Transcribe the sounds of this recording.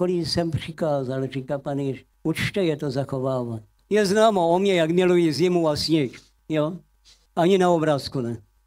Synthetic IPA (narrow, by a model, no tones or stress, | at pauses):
kolisɛmpr̥ɪkaːzalriːkapaniʃ | ut͡ʃt̪ɛjɛt̪ozaxoʋaːʋaɲ | jɛznaːmoomɲɛjaɡmɪlujiːzimuasɲik | jo | aɲinaobɾaːskunɛ